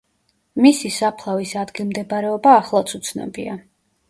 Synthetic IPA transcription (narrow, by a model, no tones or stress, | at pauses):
misisapʰlˠavisad̪ɡilˠmd̪ɛbaɾɛɔbaːχlˠat̪sʰut̪sʰnɛ̰bia